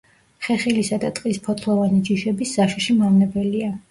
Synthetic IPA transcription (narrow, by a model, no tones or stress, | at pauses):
χɛχilisad̪at̪ʼqʼispʰɔt̪ʰlˠɔvanid͡ʒiʃɛbisːaʃʃimamnɛbɛlia